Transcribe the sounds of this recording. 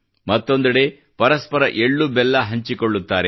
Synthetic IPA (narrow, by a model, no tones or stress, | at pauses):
mɐt̪ːo̞nd̪ɐɽe̞ | pɐɾɐspɐɾɐʔeɭːubɛlːɐɦɐɲt͡ʃikoɭːut̪ːaːɾe